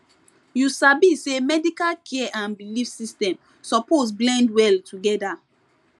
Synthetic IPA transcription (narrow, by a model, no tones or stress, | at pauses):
jusabisemɛdikalkʰɛɛʔãnbilifsistɛ̃m | sɔpos̬blɛ̃ndwɛltʰuɡɛda